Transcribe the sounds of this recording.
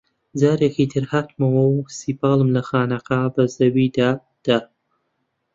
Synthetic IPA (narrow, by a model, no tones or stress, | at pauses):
d͡zaːɾekit̪ʰɨɾhat̪mɐwɐwsiːpɑːlˠɨmlɐxaːnɐqabɐzɐwid̪aː | d̪̥a